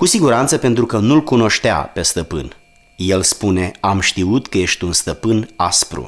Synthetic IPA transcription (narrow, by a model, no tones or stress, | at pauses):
kusiɡuɾant̪səpe̞nt̪ɾukənulkuno̞ʃt̪ea̰pe̞st̪əpɨ̰n | je̞lspune̞amʃt̪iut̪kəje̞ʃt̪ʲunst̪əpɨnaspɾṵ